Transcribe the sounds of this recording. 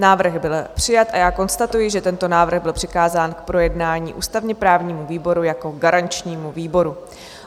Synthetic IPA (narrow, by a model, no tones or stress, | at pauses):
naːvr̩ɣbɪlpr̝̥ɪjat̪ʔajaːko̞nst̪at̪ujɪʒɛt̪ɛnt̪o̞naːvr̩ɣbɪlpr̥ɪkaːzaːnkpɾo̞jɛdnaːɲḭːʔṵːst̪avɲɛpɾaːvɲiːmuviːbo̞ɾujako̞ɡaɾant͡ʃɲiːmuviːbo̞ɾu